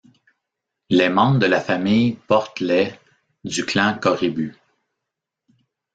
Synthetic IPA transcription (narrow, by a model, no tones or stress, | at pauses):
lɛmɑ̃bd̪əlafamijpɔʁt̪lɛ | d̪ykʰlɛ̃kɔʁiby